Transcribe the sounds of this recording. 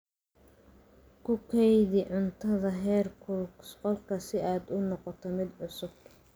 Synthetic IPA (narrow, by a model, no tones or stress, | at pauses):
kʰʊkʰɛjðɪʕʊnt̪ʰɐðɐɦɛːrkʰʊlsqɔlkʰɐsɪaːd̪ʊnɔqɔt̪ʰɔmɪd̪ʕʊsʊb̚